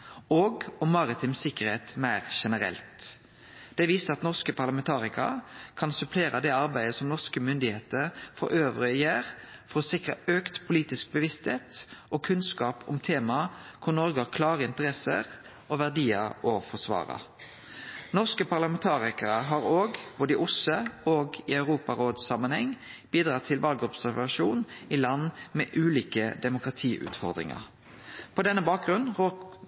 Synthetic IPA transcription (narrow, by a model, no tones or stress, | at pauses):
oːɡɔmːɑɾɪt̪ʰɪmsɪkːəʁheːt̪mæɪʁʃɛnəɾɛ̰lt̪ | d̪̥ɛʋiːsəʁɑt̪nɔʁskəpʰɑʁlɑmɛnt̪ʰɑːʁɪkɑ̰kʰɑnsʉpʰleːɾɑd̪ɛɑɾbæɪd̪əsɔmnɔʁskəmʏnd̪ɪheːt̪əɾfɔ̰ɾʔøːʋʁəjeːʁ | fɔɾɔsɪkʁɑøːkt̪pʰʊliːt̪ɪsk̚bəʋɪst̪heːt̪ʔɔkʰʉnskɑːpʊ̰mt̪ʰeːmɑkʰʊʁnɔɾɡəhɑkʰlɑːʁəɪnt̪əʁɛsə̰ʁ | ɔʋæʁd̪iːəɾɔfɔʁsʋɑ̰ːʁə̰ | nɔʁskəpʰɑʁlɑmɛnt̪ʰɑːʁɪkəɾəɦɑɾoːɡb̥oːd̪əɪʔʊsəoːɡɪɑʉʁuːpɑɾoːd̪sɑmənhɛŋːb̥iːd̪ʁɑːt̪ʰːɪlʋʔɑlɡəɔpsæʁʋɑʃuːnɪlɑnːmɛːʔʉːliːkəd̪ɛmʊkʁɑt̪ʰiːʔʉ̰ːt̪fɔʁd̪ʁɪ̰ŋɑ̰ʁ | pʰɔd̪ɛnːəbɑːk̚ɡʁʉnʁo